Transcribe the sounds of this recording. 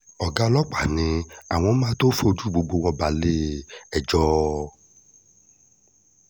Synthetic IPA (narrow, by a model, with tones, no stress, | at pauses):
ɔ˨ɡa˧lɔ˦k͡pa˨nĩ˧˦a˨w̃ɔ̃˨˦mãː˦to˦fe˦o˧d͡ʒu˦ɡ͡bo˧ɡ͡bo˧wɔ˧ba˨le˦ɛ˨d͡ʒɔ˧